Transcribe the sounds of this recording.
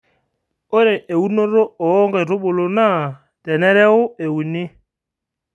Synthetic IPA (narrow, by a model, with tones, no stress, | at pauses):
ʊ˦ɾɪ˨ʔe˨u˦no˦ɾo˦ɔː˨˦ŋɡɛ˨ɾʊ˦ɓʊ˨lo˨na˦˨ | tɛ˨nɛ˦ɾɛ˦ɣʊ˦e˨u˨nɪ˦